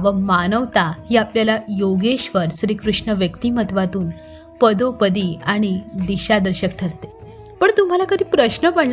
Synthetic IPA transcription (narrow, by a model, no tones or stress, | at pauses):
ʋəmanəʋt̪ahiːapljalajoɡeɕʋəɾsɾiːkɾuʂɳəʋjəkt̪imət̪ʋat̪uːn | pəd̪opəd̪iaɽ̃id̪iɕad̪əɾɕəkʈʰəɾt̪e | pəɳt̪um̤alakəd̪ʱiːpɾəɕnəpəɳl